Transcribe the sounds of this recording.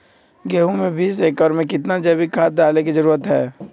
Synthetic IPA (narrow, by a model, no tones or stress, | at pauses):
ɡeːɦũmẽbʱiːs̬eːkɔːɾmẽkɪt̪̬nad͡ʒɛːbikʰaːt̪̚daːlek̬id͡ʒəɾuːɾət̪ɦɛː